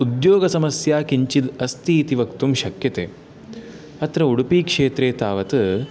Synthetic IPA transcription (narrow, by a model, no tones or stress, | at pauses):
ud̪joːɡɐsɐmɐsjaːkiɲt͡ʃid̪ɐst̪iːt̪iʋɐkt̪umʃɐkjɐt̪eː | ɐt̪ɾɐuɽupiːkʂeːt̪ɾeːt̪aːʋɐt̪ɨ